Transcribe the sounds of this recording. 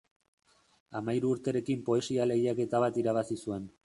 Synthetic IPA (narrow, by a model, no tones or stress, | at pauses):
amajɾuːɾt̪e̞ɾe̞kimpo̞e̞siale̞ɣiake̞t̪aβ̞at̪iɾaβ̞asisue̞n